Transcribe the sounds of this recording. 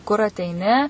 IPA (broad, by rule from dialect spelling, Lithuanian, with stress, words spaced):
kʊr ɐtʲɛɪˈnʲɪ